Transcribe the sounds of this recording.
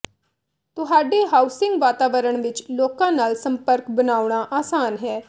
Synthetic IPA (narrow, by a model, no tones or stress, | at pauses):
t̪ʊɦaːɖeːɦaːʊsɪ̃ŋɡʋaːt̪aːʋəɾəɳʋɪt͡ʃloːkãːnaːlsəmpəɾkbənaːʊɳ̃aːʔaːsaːnɦɛː